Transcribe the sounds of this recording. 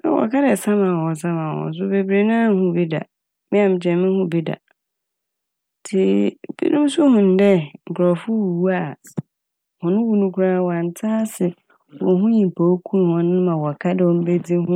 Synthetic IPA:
ɛ̰˦wɔ̰˨kʰa˦dɛ˨sã˦mã˨hɔ̃˨s̬ã˦mã˨wɔ̰̃˨n̩˦s̬ʊ˦be˨bɾe˨nãː˦˨˦hʊ̃˦bi˦da̰˨ | mɪ̃˦ã˨m˨d͡ʑɛ˨˦mɪ̃˦hʊ̃˦bi˦da̰˨ | tʰɪ˨b̥ḭ˦nũ˦m˦sʊ˦hʊ̃˨n̩˨˦dɛ˦ŋ̩˨kʰɾɔ˨fʊ˦wu˨wu˦a˨ | hɔ̃˨nʊ̃˦wu˦nũ˦kʰu˦ɾa˦˨wɔ˨a˨n˨˦tʰaː˦sɪ˨ | wɔ˨˦ɦũ˦ɲĩ˨m˨pʰa˨o˦kʰũ˦˨hɔ̃˦nʊ̃˦mã˨wɔ˨kʰa˦dɛ˨ɔ˨m̩˦be˦d͡zi˦hʊ̃˦

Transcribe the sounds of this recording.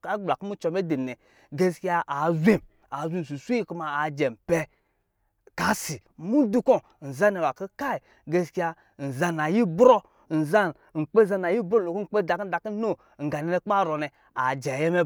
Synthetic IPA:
ka˦ɡ͡bla˨ki˦mu˦t͡ʃɔ˧me˦de˨nɛ˨ | ɡe˦ski˦a˧a˨zʷe˦˨m | a˨zʷe˦˨m˨s̬u˨sʷu˦i˦ku˧ma˨a˨d͡ʒɛ˨m˨pɛ˧ | ka˨˦si˨mu˦du˦kɔ˦˨n̩˨za˦nɛ˨wa˨ki˦ka˦i˨ | ɡe˧ski˦a˧ | n̩˨za˧na˨ji˦bɾɔ˦ | n̩˨za˦n | ŋ͡m̩˨k͡pe˦za˧na˨ji˦bɾo˦lo˨ku˦ŋ͡m̩˨k͡pe˦da˨ki˦da˨ki˦no˦˨ŋ̩˨ɡa˨nɛ˧nɛ˧˦k͡pa˦˨ɾɔ˨nɛ˨ | a˨d͡ʒɛ˨jɛ˦mɛ˦

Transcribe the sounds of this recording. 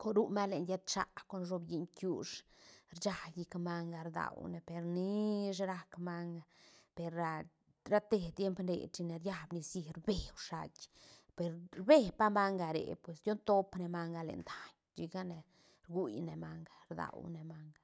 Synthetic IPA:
ko˧˨ɾu˦ma˦le˨nja˦t̪t͡ʃa̰˧ko˧˨nʐo˧bji˧ɲkju˧ʂɾt͡ʃa˧ji˧kma˧ŋɡa˧ɾd̪a̰˨wne˨pe˨ɾni˦ʂ̬e˦ɾa˦kma˧ŋɡa˨pe˨ɾa˧ | ɾa˦t̪e˧t̪je˦mpnɾḛ˨t͡ʃi˧ne˨ɾja˦˧bni˧si˧ɾbe˨wʂa˧kʲpe˨ɾɾbe˦˨pa˦ma˦ŋɡa˨ɾḛ˨pwe˨sd̪ʲjo˦nt̪o˦pne˧˨ma˧ŋɡa˧lḛ˨nd̪a˨ɲ | t͡ʃi˧ɡa˦ne˨ | ɾɡu˦jne˨ma˧ŋɡḁ˨ɾd̪a̰˨wne˨ma˧ŋɡa˨

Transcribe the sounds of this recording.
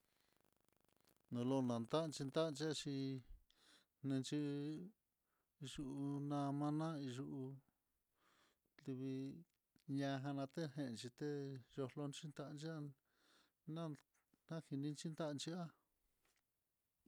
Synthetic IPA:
nũ˧lo˧nã˨nt̪a˦˧nt͡ʃi˧nd̪a˦˧nt͡ʃi˦a˧t͡ʃi˧ | nẽ˧t͡ʃi˧ | i˧ʒu˧ʔu˧nã˧mã˧˦nã˦i˧ʒu˧ʔu˧ | li˧βi˧ | ɲã˧ɦã˧nã˧t̪e˦ɦẽ˧ʔnt͡ʃi˧t̪e˦jo˧lo˧nt͡ʃi˦nt̪a˧ʔnt͡ʃi˦a˦ | nã˦ | nã˦˨hi˧nĩ˦˧nt͡ʃi˦nd̪a˦˧t͡ʃi˧a˦

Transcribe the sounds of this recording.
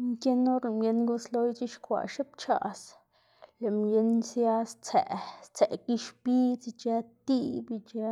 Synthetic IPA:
mke˦no˦ɾe˧˨mje˧nɡu˦slo˦jt͡ʃi˦ʃkʷa̰˨ʃe˦p̚t͡ʃa̰˨s | le˨mje˧nsja˦st͡se˨st͡se˨ki˦ʃpi˦t͡si˧t͡ʃa˦t̪i˦bi˧t͡ʃa˦

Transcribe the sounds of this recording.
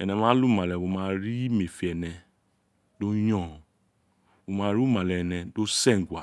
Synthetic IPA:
ɛ˨nɛ̃˧mã˦lu˦˨ma˨lɛ˨wo˧mã˧ɾi˦me˨fi˨ɛ˨nɛ˧ | do˦jɔ̃˦˨ | wo˨˧mãː˧˦ɾu˦ma˨lɛ˨nɛ˧do˦sɛ˦˨ŋ̩˨ɡʷa˨

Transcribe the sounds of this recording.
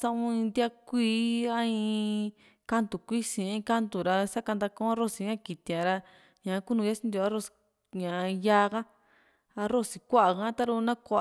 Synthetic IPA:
sã˧ʔũ˦ĩ˧nd̪ja˦kʷiː˦a˦ĩ˧ | ka˦nt̪u˨kʷi˦sĩ˨˧ã˧ĩ˧ka˦nt̪u˨ɾa˧sa˦ka˧nd̪a˧kõ˦ã˦ɾo˦˨si˧ɲã˦ki˨t̪ĩ˨˧ã˧ɾa˧ | ɲã˨˦ku˦nũ˧ja˦si˦nd̪ʲo˧a˦ɾo˦˨si̥˧ | ɲã˨˧ja˦ɣa˦ | a˧ɾo˦˨si˨kʷa˦ʔa˨kã˦t̪a˦ɾu˧nã˦kʷa˧ʔ

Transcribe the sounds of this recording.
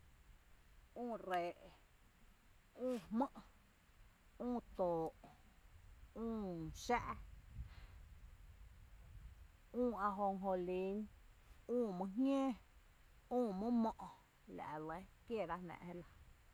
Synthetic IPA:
ũː˦˨ɾeː˨ʔ | ũː˦˨hmə̃˦ʔ | ũː˦˨t̪oː˨ʔ | ũː˦ʃaː˦ʔ | ũː˦˨a˧ɦo˧ŋɦo˧li˨˦nũː˦˨mə̃˧ɦɲjẽː˦ | ũː˦˨mɨ̃˦mɔ̃˦ʔ | la̰˨lə˧˦kje˦˨ɾa˦hnã̰˧ʔhe˦la˧

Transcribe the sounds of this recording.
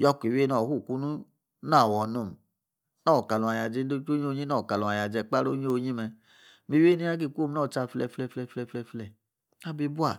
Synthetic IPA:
jɔ˦kʷi˨we˦nɔ˨hu˦˨ku˦nu˦ | na˦˨wɔ˨no˧˨m˨ | nɔ˦˨ka˨lũ˨a˨ja˨d͡ʒe˧˦o˦o˦ɲ˦o˦˧˦ɲi˦nɔ˦˨ka˨lũ˨a˨ja˨d͡ʒɛ˧k͡pa˦ɾo˦ɲ˦o˦˧˦ɲi˦mɛ˧ | mi˧˨we˦ni˦a˦k̬i˦˧˨kʷo˦m˦nɔ˦˨t͡ʃa˧flɛ˧˨flɛ˧˨flɛ˧˨flɛ˧˨flɛ˧flɛ˧˨ | na˦bi˧˦bu˦a˦˨

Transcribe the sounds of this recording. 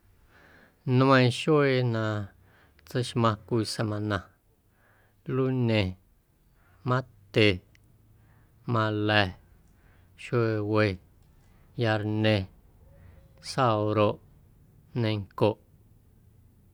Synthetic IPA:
ñ˦ə̃˧j̃ʃwe˧˨nã˧˨ | t͡sə˦ʃmã˧kʷi˧se˧mã˧nã˧ | lu˦nẽ˧ | mã˦t̪e˨ | mã˧lɛ˧˨ | ʃe˧we˧ | ja˧ɾnẽ˧ | sa˦wɾo˧ʔ | nẽ˧ŋko˧˨ʔ

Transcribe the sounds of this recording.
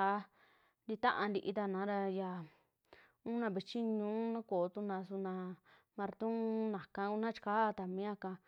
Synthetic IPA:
a˧˦ | nd̪i˧t̪ã˦ʔa˧nd̪i˧ʔi˧t̪a˧nã˨˦ɾa˧ja˧ | ũ˦nã˧βi˧t͡ʃi˦ɲũː˦nã˦koː˨˦t̪u˧nã˧su˧nã˧ | mã˧ɾt̪ũ˦nã˨kã˧u˧nã˦t͡ʃi̥˧kaː˦˧t̪a˨mĩ˨˦ã˦˧kã˧

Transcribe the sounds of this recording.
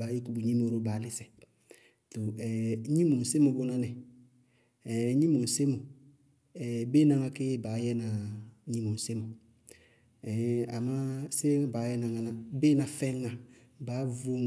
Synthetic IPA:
ba˨˦je˦ku˦bu˨ɲĩ˦m˦o˨ɾo˦ba˨˦ni˦sɛ˨ | to˨ɛ˨˦ɲĩ˦mõ˨n̩˨se˦mo˨bo˦nã˦nɛ̃˨˦ | ɲĩ˦mõ˨se˦mo˨ | ɛ˨be˦nã˨ŋã˧ke˦ba˨˦jɛ˦nã˨˦ɲĩ˦mõ˨n˨se˦mõ˨ | ɛ˨a˨mã˦se˦baː˨˦jɛ˦nã˨ŋa˧nã˨be˦nã˨fɛ̃˦ŋã˨ | ba˨˦vo˦

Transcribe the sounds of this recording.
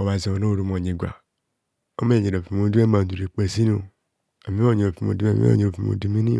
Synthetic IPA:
o˨ba˨zi˨o˨no˦o˦˨ɾu˨˧mo˨ɲe˨ɡʷa̰˨ | o˦me˦˨ɲe˨ɾo˨fi˨mo˧˦du˦e˦ma˨du˨ɾi˨k͡pe˨si˦n˦o˨ | a˨mi˦o˦˨ɲe˨o˨fi˨mo̰˧˨dṵ˦˨mḭ˦o̰˦˨ɲ˨o˨fi˨mo̰˨du˦mi˦ni˦˨

